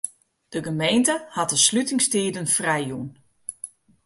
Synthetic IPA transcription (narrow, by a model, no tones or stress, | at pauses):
d̥əɡəmejntəhat̚əslytɪŋstiːdənfrɛjjun